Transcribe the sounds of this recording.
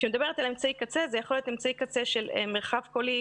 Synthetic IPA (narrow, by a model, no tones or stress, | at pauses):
ʃemed̪abe̞ʁet̪alemt͡saikat͡sezejaχoljot̪emt͡saikat͡seʃelḛmeʁχavkoli